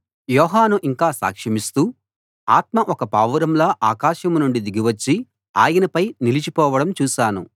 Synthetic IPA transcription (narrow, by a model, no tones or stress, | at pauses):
jɔːɦaːnuʔiŋkaːsa̰ːkʂɐmist̪uː | aːt̪mɐʔɔkɐpaːʋɐɾɐmlaːʔaːkaːʃɐmnuɳɖid̪iɡiʋɐt͡ʃːi | aːjɐnɐpɐjnilit͡ʃipɔːʋɐɽɐmt͡ʃuːʃaːnṵ